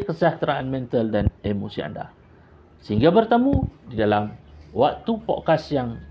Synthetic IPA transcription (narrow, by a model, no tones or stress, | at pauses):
kəsaht̪ɾaanmɛ̃nt̪aldanemosia̰nda̰ | səhiŋɡabərt̪əmũdidalamwak̚t̪upɔ̰ʔkasjaŋ